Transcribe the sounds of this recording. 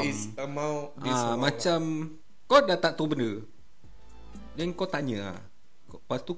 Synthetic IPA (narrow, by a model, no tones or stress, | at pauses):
maʔãmat͡ʃam | kodat̪aʔt̪ubəndə | dənkot̪aɲə̃a̰ | kpast̪u